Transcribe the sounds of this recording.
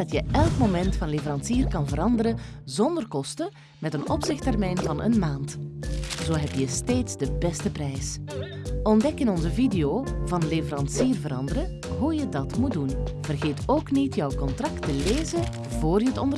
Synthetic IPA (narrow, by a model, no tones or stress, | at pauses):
ɑtjəʔɛlˠkmomɛntfɑnlevəɾɑnsiːrkɑnvəɾɑndəɾəzɔndərkɔstə | mɛtənɔpsɪxtɛrmɛjnvɑnʔə̰nmaːnt | z̥oːɦɛptjəsteːtzdəbɛstəprɛjs | ɔndɛkɪnɔnzəvideoːvɑnlevəɾɑnsiːrvəɾɑndəɾə | ɦujədɑtmut̚dunv̥ərɣeːtoːknitjœwkɔntrɑktəleːzə | voːrjəətɔndə